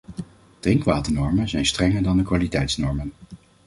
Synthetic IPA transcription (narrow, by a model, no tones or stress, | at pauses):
tɪŋkʋaːtənɔɹmənzɛjnstrɛŋəɹdɑndəkʋaːlitɛjtsnɔɹmən